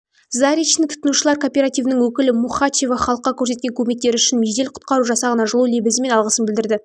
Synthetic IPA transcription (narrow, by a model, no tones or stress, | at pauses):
zaɾʲijnɪŋt̪ʰʊ̥t̪ənuʃəlˠɑɾkʰo̞ːpʲe̞ɾat̪ijvənəŋwɵkʲɪlɪmuχat͡ʃe̞vɑχɑlˠəqːɑkʲʰɵɾs̬et̪kʲe̞ŋkʲʰɵme̞k̚t̪eɾʏʃɪnmeʒd̪e̞lqʰʊ̥t̪̚qɑɾuʒɑsɑʁɑnɑʒəlˠule̞bɪzɪme̞nɑlˠʁəsənbɪld̪ɪɾd̪ɪ